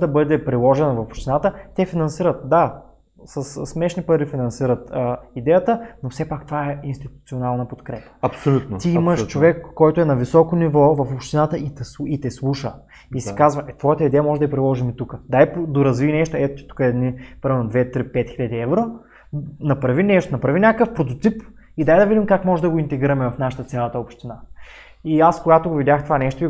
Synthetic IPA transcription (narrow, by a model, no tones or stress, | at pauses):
d̪ɐbɤd̪ɛpɾilˠɔʒɛnvɐfopʃt̪inat̪ət̪ɛfinɐnsiɾət̪̚d̪a | səssːmɛʃnipɐɾifinɐnsiɾət̪əid̪ɛjət̪ənofsɛpak̚t̪ovaɛinst̪it̪ut̪sionalˠnɐpot̪kɾɛpə̥ɐpsolʲut̪nt̪iiməʃt͡ʃovɛkːɔjt̪oɛnɐvisɔkonivɔvɐfopʃt̪inat̪əʔit̪sit̪ɛslˠuʃə | isi̥kazvɐʔɛt̪vɔjət̪əid̪ɛjəmɔʒɛd̪ɐɡipɾilˠɔʒimit̪ukəd̪ajpod̪oɾɐzviːnɛʃt̪oɛt̪ot̪i̥t̪u̥kəɛd̪nipɾɐmɛlnod̪vɛt̪ɾipɛt̪xiʎʲəd̪iɛvɾo | nɐpɾɐvinɛʃt̪onɐpɾɐvinʲakəfpɾot̪ot̪ip | id̪ajd̪ɐvid̪imkakmɔʒɛd̪ɐɡoint̪ɛɡiɾɐmɛvɐfnaʃə̥t̪ət̪sʲjalˠɐt̪əopʃt̪ina | iaskoɡat̪oɡovidʲjaxt̪ovanɛʃt̪oi